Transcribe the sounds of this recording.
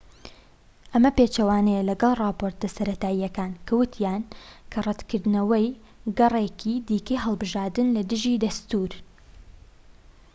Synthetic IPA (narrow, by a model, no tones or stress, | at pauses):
ʔɐmɐpeːt͡ʃɐwaːnɛjɐlɐɡɐlˠrˤɑːpoːɾt̪̚lɐsɐɾɐt̪aːijɐkaːnkʰɐwʊt̪ʰjaːnkʰɐrˤɛt̪kɨɾd̪nɐwɐj | ɡɐrˤekʰid̪iːkɐjɦɐlˠbɨʒaːɾd̪ɨnlɐd̪ɨʒid̪ɐst̪uɾ